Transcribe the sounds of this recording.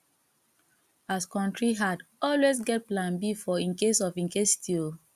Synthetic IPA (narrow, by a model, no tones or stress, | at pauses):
askɔ̃ntɹiɦadɔlwesɡɛt̚plãnbifɔĩnkesɔvĩnkesstʰil